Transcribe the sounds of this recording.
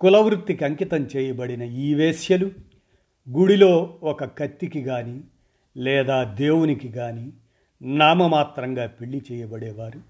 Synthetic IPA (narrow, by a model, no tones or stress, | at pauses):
kulɐwɾutt̪ːikiɐŋkit̪ɐmt͡ʃɛːjɐbɐɽinɐiːʋeːʃjɐlu | ɡuɽilo̞ːɔkɐkɐt̪ːikiɡaːni | lɛːd̪aːd̪eːwunikiɡaːni | naːmɐmaːt̪ɾɐŋɡaːpiɭːit͡ʃɛːjɐbɐɽɛːʋaːɾu